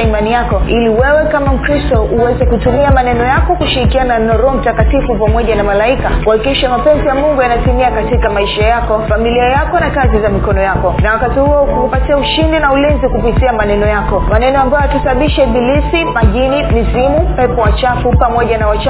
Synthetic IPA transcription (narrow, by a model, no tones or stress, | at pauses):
imanijakɔiliwɛwɛkamam̩kɾistɔʔuwɛzɛkutumiamanɛnɔjakɔkuʃiɾikiananɔɾɔm̩takatifupamɔʄanamalaikakuhakikiʃamapɛnzijamuŋɡujanatimiakatikamaiʃajakɔfamiliajakɔnakazizamikɔnɔjakɔnawakatihuɔukukupatiauʃindinaulinzikupitiamanɛnɔjakɔmanɛnɔambajɔakisaɓaɓiʃabilisimaʄinimizimupɛpɔwat͡ʃafupamɔʄanawat͡ʃ